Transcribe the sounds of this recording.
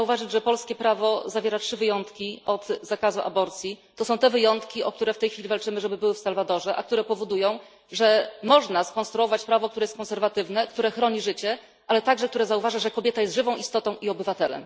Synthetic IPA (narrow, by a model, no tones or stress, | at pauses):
zauvaʐɘd͡ʑʐɛpɔlskʲɛpɾavɔzavʲjɛɾatʂɘvɘjɔnt̪kʲiʔɔt̪zakazuʔa̰bɔɾt̪sʲjit̪ɔsɔ̃w̃t̪ɛvɘjɔnt̪kʲiɔkt̪uɾɛft̪ɛjxfʲilʲivalt͡ʂɘmɘʐɛbɘbɘwɘfsalvad̪ɔʐɛʔa̰k̚t̪uɾɛpɔvɔd̪ujɔ̃w̃ | ʐɛmɔʐnaskɔnst̪ɾuɔvat͡ɕpɾavɔk̚t̪uɾɛjɛst̪kɔnsɛɾvat̪ɘvnɛk̚t̪uɾɛxɾɔɲiʐɘt͡ɕɛ | ʔalɛt̪aɡʐɛk̚t̪uɾɛzauvaʐaʐɛkɔbʲjɛt̪ajɛst̪ʐɘvɔ̃w̃ist̪ɔt̪ɔ̃w̃ʔiɔbɘvat̪ɛlɛ̰m